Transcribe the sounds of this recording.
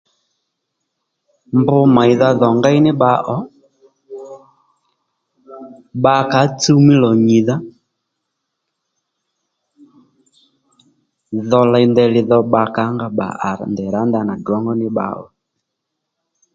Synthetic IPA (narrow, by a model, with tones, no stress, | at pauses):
mbʊ˦ma˨i˨ða˧ðɔ˨ŋɡa˦i˦nɪ˦ɓa˨˦ʔɔ˨˦ | ɓa˨ka˨˦t͡su˦mi˦lɔ˨ɲi˨ða˦ | ðɔ˧la˨i˨ndɛ˨lɪ˨ðɔ˧ɓa˨ka˨˦ŋɡa˨ɓa̰˨ʔa̰˨ɾndɛ˨ɾa˨˦nda˨na˨ɡɔ˨˦ŋɡɔ˦nɪ˦ɓa̰˨˦ɔ̰˨